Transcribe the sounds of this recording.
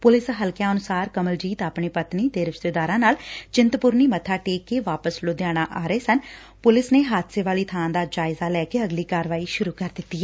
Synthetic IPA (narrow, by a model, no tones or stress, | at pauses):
pʊlɪsɦəlkjãːənʊsaːɾkəməld͡ʒiːt̪aːpɳeːpət̪niːt̪eːɾɪʃt̪eːd̪aːɾãːnaːlt͡ʃɪnt̪pʊɾniːmət̪ʰaːʈeːkːeːʋaːpəsloːd̪ejaːɽ̃aːʔaːɾəeːsən | pʊlɪsneːɦaːt̪seːʋaːliːt̪ʰaːãːd̪aːd͡ʒaːɪzaːlɛːkeːəɡliːkaːɾʋaːiːʃʊɾuːkəɾd̪ɪt̪ːiːɛ